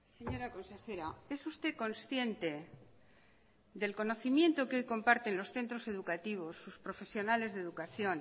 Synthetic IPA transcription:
se̞ɲo̞ɾako̞nse̞xe̞ɾae̞sust̪e̞ko̞nsθje̞nt̪e̞ | d̪e̞lko̞no̞θimjẽ̞nt̪okeo̞jko̞mpaɾt̪e̞nlo̞sθe̞nt̪ɾo̞se̞ðukat̪iβ̞o̞sːuspɾo̞fe̞sjo̞nale̞zðe̞ðukaθjo̞n

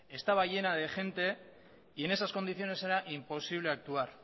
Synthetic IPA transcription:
e̞st̪aβaje̞nað̞e̞ʝe̞nt̪e̞ | ie̞ne̞s̬asko̞nd̪iθjo̞ne̞se̞ɾaʔimpo̞siβ̞le̞ak̚t̪uaɾ

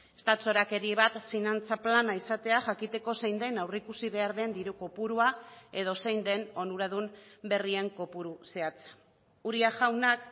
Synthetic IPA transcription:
e̥st̪auoɾake̞ɾie̞β̞at̪finant͡saplanaisat̪e̞axakit̪e̞ko̞se̞jnd̪e̞nawrikusiβe̞aɾðe̞nd̪iɾuko̞puɾuae̞ð̞o̞se̞jnd̪e̞no̞nuɾaðumbe̞rie̞ŋko̞puɾuse̞at͡s | uɾiaʝawnak

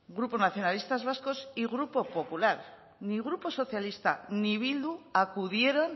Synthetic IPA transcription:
ɡɾupo̞naθjo̞nalist̪azβ̞asko̞siɣɾupo̞po̞pulaɾ | niɣ̞ɾupo̞so̞θjalist̪a̰niβ̞ild̪uakuðje̞ɾo̞n

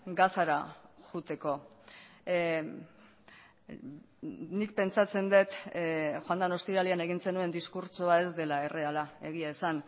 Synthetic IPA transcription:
ɡasaɾaʝut̪e̞ko̞ | nik̚pe̞nt͡sat͡se̞nd̪e̞t̪xoand̪ono̞st̪iɾaliane̞ɣ̞inse̞nue̞nd̪iskuɾt͡soae̞zd̪e̞laere̞alae̞ɣiaesan

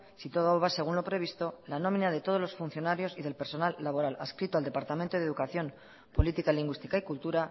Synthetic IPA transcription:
sit̪oðaoβase̞ɣ̞unlo̞pɾe̞β̞ist̪o̞lano̞mĩnað̞e̞t̪o̞ð̞o̞zlo̞sfun̟θjo̞naɾjo̞siðe̞lpe̞ɾso̞nalːaβo̞ɾala̰skɾit̪oald̪e̞paɾt̪amẽnt̪oð̞e̞ðukaθjo̞m | po̞lit̪ikaliŋɡwist̪i̥kaikult̪uɾa

